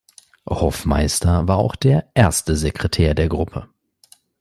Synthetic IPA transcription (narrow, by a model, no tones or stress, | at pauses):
hɔfma̰ɪstɐvaːɐa̰ʊxd̥eːɐʔeɐstəzekʁ̥ɛtʰɛːɐdeːɐɡʁʊpʰə